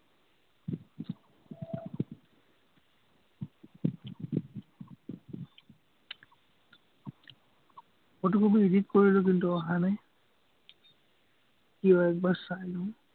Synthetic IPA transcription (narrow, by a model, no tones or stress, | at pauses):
ɔt̬ukubiiditkoɹilʊk̬intuɔɦanɛ | kiɔɛk̚baɹsajlɔ